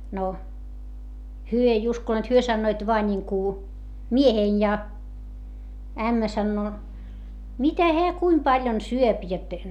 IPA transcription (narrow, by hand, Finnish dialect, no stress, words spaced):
no hyø ei uskoneːt hyø sɑnːoit ʋoɑ nʲiŋku miehein jɑ æmːæ sɑnːoː mitæ heæ kuim pɑljon syøp jot